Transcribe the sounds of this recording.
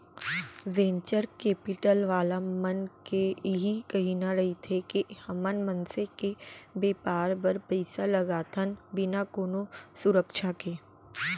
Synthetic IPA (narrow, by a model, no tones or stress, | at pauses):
ʋẽːɲt͡ʃəɾkeːpɪʈəlʋaːlamɐnkeɦikɐɦinaɾɐɦit̪ʰekehɐmənmə̃nsekebeːpaːɾbɐɾpɐɪsalɐɡaːt̪ʰənbɪnakoːnosʊɾəkʃakeː